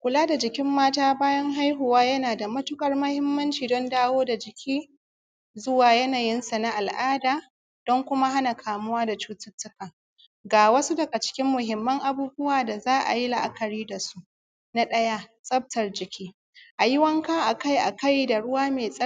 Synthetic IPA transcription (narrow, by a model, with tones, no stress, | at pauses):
kʷʊ˨laː˦da˨d͡ʒɪ˨kʲɪ˦mːaː˦taː˦baː˦jɐ˦ŋɦa˦jɦʊ˨waː˦jɐ˦naː˨da˨mɐ˦tʊ˦kʼɐ˨rmɐ˦hɪ˦mːɐ˦nt͡ʃiː˨dɔ˦ndaː˦woː˦da˨d͡ʒɪ˨kʲʰiː˦ | zʊ˦waː˨jɐ˦naː˨jɪ˦nsa˨na˦ʔa˨lʔaː˦daː˨ | d̥ɔ˦ŋkʷʊ˦ma˦ɦa˦na˨kʰaː˨mʊ˦waː˦da˨t͡ʃuː˦tʊ˦tːʊ˦kaː˨ | ɡaː˨wɐ˦su˦dɐ˨ɡa˨t͡ʃɪ̥˦kʲɪ˦mːʊ˨ɦɪ˨mːɐ˦ŋʔa˨buː˦bʊ˦waː˨da˨zaː˦ʔa̰˨ji˦la˨ʔa˦kɐ˨ɽiː˦da˨su˦ʔ | na˦ɗɐ˦ja˦sʼɐ˦b̚tɐ˨rd͡ʒɪ˨kʲiː˦ | ʔa˨jɪ˦wɐ˦ŋka˦ʔa˨ka˦jʔa˨ka˦jda˨ɽʊ˦waː˦meː˨sʼɐ˦